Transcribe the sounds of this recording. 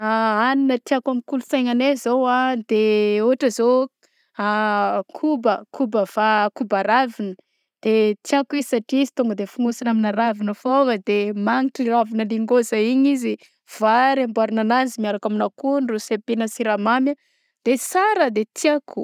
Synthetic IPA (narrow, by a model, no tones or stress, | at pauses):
aaninət̪iakamikulusajŋanezowad̪eoɦaʈ͡ʂəzo | akʰubəkʰubəv̥akubaɾavinə | d̪̥et̪iakizisaʈ͡ʂizi̥t̪uŋɡəd̪efuŋusinaminaɾavinəfovəd̪emaŋiʈ͡ʂiravinəliŋɡozaiɲizi | v̥aɾambuaɾinananzimiaɾakaminakunrusepenəsiɾamamjə | d̪̥esaɾəd̪et̪ʰiakʰu̥